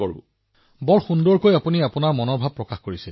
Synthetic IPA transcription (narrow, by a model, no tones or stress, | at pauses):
ɔṵ | bɔɹxundɔɹkojapuniapunaɹmɔnɔɹbʱab̚pːɹɔkaxkoɹisil